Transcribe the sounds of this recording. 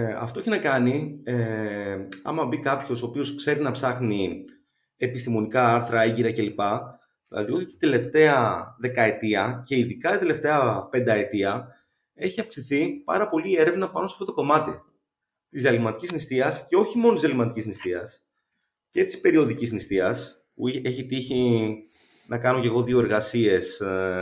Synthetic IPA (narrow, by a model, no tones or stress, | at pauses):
ɐ̰ft̪oeçinɐkɐnie | ɐ̰mɐbikɐpço̞soːpio̞skse̞ɾinɐpsɐxni | epist̪imo̞nikɐɐɾθɾɐeɲɟiɾɐce̞lipɐ | ðilɐ̰ðio̞t̪it̪i̥t̪ele̞ft̪e̞ɐðe̞kɐe̞t̪iɐce̞iðikɐt̪ɐt̪e̞le̞ft̪e̞ɐpe̞nd̪ɐe̞t̪iɐ | e̞çiɐfksiθipɐ̰ɾɐpo̞lie̞ɾevnɐpɐno̞sɐft̪o̞t̪oko̞mɐt̪i | t̪izɐlimɐt̪icisnist̪iɐsce̞o̞çimonot̪izelimɐt̪icisnist̪iɐs | ce̞t̪i̥spe̞ɾio̞ðicisnist̪iɐs | puieçit̪içi | nɐkɐno̞ce̞ɣo̞ðio̞e̞ɾɣɐsie̞s